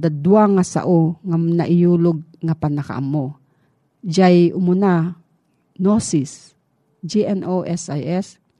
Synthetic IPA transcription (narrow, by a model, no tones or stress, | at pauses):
d̪ad̪uaŋasa̰ʔoŋanaʔɪjulʊɡ̚ŋapanaka̰ʔa̰mːo | d͡ʒajʔʊmʊna | nosis | d͡ʒiɛnʔoʔɛsajɛs